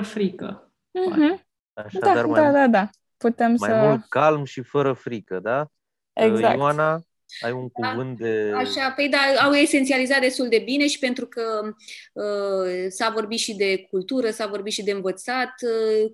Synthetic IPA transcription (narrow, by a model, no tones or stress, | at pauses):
fɾikə̰ | m̩ɦm̩ | aʃdad̪aarmd̪ad̪ad̪a | put̪emsmaəmult̪kalmʃifəɾəfɾikəd̪a | eɡza̰kana | ajuŋkuavɨnt̪̚d̪eaʃapejd̪aawe̞sent̪sializat̪̚d̪e̞st̪uld̪e̞bine̞ʃi̥pe̞nt̪ɾukə | əsavo̞rbit̪ʃid̪e̞k̚ult̪uɾəsavo̞rbit̪ʃid̪e̞ɨnvət̪sat̪